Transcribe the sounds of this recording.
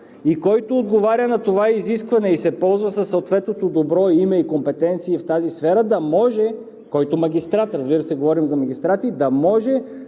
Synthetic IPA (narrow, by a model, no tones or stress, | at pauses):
ikɔjt̪oːd̪̚ɡovaɾʲənɐt̪ovaiziskvɐnɛisɛpɔlˠzvɐsɐsːɐot̪vɛt̪not̪od̪obɾɔimɛikompɛt̪ɛnt̪siːft̪azisfɛɾəd̪ɐmɔʒɛ | kɔjt̪omɐɡʲist̪ɾat̪ɾɐzbiɾəsɛɡovɔɾimzɐmɐɡʲist̪ɾat̪id̪ɐmɔʒɛ